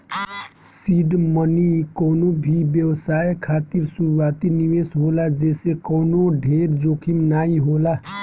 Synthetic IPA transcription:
siɖmʌnikɔwnobʱibjʌwsajkʰat̪iɾsuɾuwat̪iniwesɦolad͡zesekɔwnoɖʱeɾd͡zokʰimnaiɦola

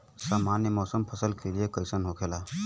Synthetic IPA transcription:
saːmanjəmɔːsəmpʰəsəlkʰeliekəɪsənɦokʰelaː

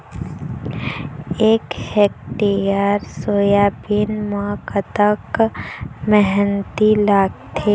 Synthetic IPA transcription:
eːkhek̚ʈijaːɾsoːjabinmakət̪ək | mɛɦɛnt̪ilaːɡt̪ʰe

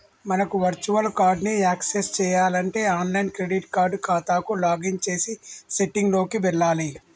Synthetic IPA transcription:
mɐnɐkuʋɐɾt͡ʃuʋɐlkaːɾɖniaːksest͡ʃɛːjaːlɐɳʈe̞ːaːnlɐjnkɾeɖiʈkaːɾɖkaːt̪aːkulaːɡiŋt͡ʃe̞ːsiseʈiŋɡlo̞ːkiʋɛɭːaːli

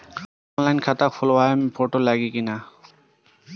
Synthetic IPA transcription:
ɔnlajnkʰatakfʰɔlwajmbʰɔʈɔlaɡikina

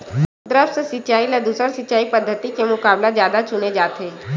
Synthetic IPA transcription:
t̪ɾəfssɪt͡ʃaːiled̪uːsəɾsɪt͡ʃaːipəd̪ʱːət̪ikemʊkaːblazjaːd̪at͡ʃʊned͡ʒaːt̪eː

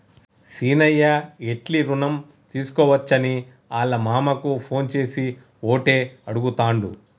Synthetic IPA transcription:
siːnɐjːɐeʈliɾunɐm | t̪iːsu̥kɔːʋɐt͡ʃːɐni | aːlːɐmaːmɐkupʰo̞ːnt͡ʃe̞ːsi | oːʈe̞ːɐɽuɡut̪aːɳɖu

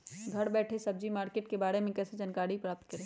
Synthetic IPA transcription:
ɡʱɐɽbɛːʈʰesɐb̚d͡ʒimaːɾkeːʈkebaːɾemẽkɛːsed͡ʒənkaːɾipɾaːp̚t̪kəɾeː

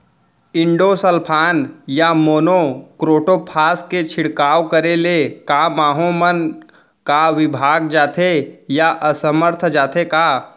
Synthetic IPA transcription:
ɪ̃ɳɖosəlpʰaːnjamoːnokɾoːʈopʰaːsket͡ʃʰɪɽkaːwkəɾelekamaːɦõmən | kaʋɪbʱaːɡ̚d͡ʒaːt̪ʰejaʔəsəməɾt̪ʰd͡ʒaːt̪ʰekaː

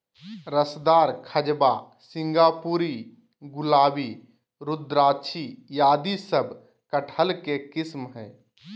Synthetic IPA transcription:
ɾəsd̪aːɾkʰəd͡ʒba | sɪ̃ŋɡaːpuːɾi | ɡʊlaːbi | ɾʊd̪ɾaːt͡ʃʰijaːd̪isəbʱ | kəʈʰəlkekɪsmɦɛː

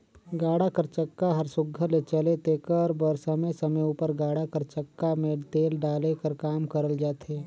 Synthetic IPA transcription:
ɡaːɽakəɾt͡ʃəkːaɦɐɾsʊɡʱəlet͡ʃəlet̪eːkəɾbəɾsəməjsɐməjuːpəɾɡaːɽakəɾt͡ʃəkːamẽt̪eːlɖaːlekəɾkaːmkəɾəld͡ʒaːt̪eː

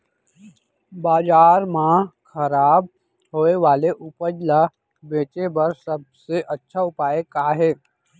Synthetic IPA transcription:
baːd͡ʒaːɾmãkʰɐɾaːb̚ | ɦoːeʋaːleʔʊpəd͡ʒla | beːt͡ʃebɐɾsəb̚seʔɐtːʃʰaʊpaːekaːɦɛː

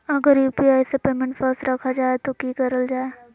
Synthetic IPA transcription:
ɐɡəɾjuːpiaːjsepeːmẽɳʈfəɾsʈɾɐkʰad͡ʒaːet̪okikəɾəld͡ʒaːe

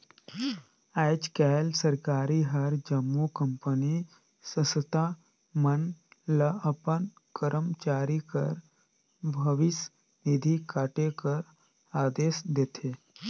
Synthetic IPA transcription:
ɛd͡ʒkɛlsəɾkaːɾiɦɐɾd͡ʒəmːukəmpəni | səsət̪a | mənləəpən | kəɾʔəmt͡ʃaːɾikə̰ɾ | bʱəʋis | nid̪ʱikaːʈekəɾ | aːd̪eːsd̪et̪ʰe

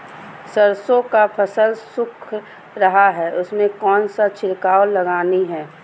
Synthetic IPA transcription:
səɾsõkapʰəsəlsʊkʰ | ɾɐɦaɦɛʔʊsmẽkɔːnsat͡ʃʰɪɾkaːolɐɡaːniɦɛː

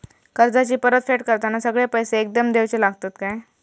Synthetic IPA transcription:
kəɾd͡zat͡ɕiːpəɾət̪feʈkəɾt̪anasəɡɭapəjseːk̚d̪əmd̪eʋt͡ɕelaɡʱt̪at̪kaj

